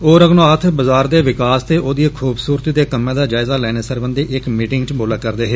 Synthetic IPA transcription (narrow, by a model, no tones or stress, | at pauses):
oːɾəɡnoaːt̪ʰbəzaːɾd̪eːʋɪkaːst̪eːʔoːd̪ieːkʰuːbsuːɾt̪iːd̪eːkəmːẽːd̪aːd͡ʒaːɪzaːlɛːneːsəɾbənd̪eːʔɪkmiːʈɪŋɡt͡ʃboːlaːkəɾd̪eːɦeː